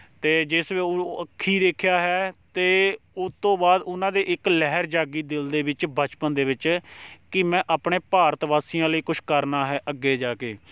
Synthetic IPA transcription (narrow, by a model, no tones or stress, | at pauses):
t̪eːd͡ʒɪsʋeːəkʰːiːd̪eːkʰjaːɦɛːt̪eː | ʊt̪õːbaːd̪ʊnãːd̪eːʔɪklɛɦəɾd͡ʒaːɡiːd̪ɪld̪eːʋɪt͡ʃbət͡ʃpənd̪eːʋɪt͡ʃkɪmɛ̃ːʔaːpɳeːpaːɾət̪ʋaːsijãːləiːkʊt͡ʃʰkəɾnaːɦɛːʔəɡːeːd͡ʒaːkeː